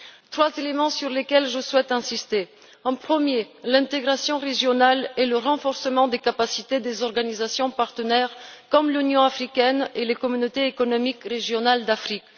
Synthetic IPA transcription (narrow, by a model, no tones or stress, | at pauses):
t̪χwazelemɑ̃syʁlekɛlʒəswɛt̪ɛ̃sist̪e | ɑ̃pχəmjelɛ̃t̪eɡʁasjɔ̃ʁeʒjɔnaleləʁɑ̃fɔʁsəmɑ̃d̪ekapasit̪ed̪ezɔʁɡanizasjɔ̃paʁt̪ənɛʁkɔmlynjɔ̃afχikʲɛnelekɔmynot̪eːkɔnɔmikʁeʒjɔnald̪afχik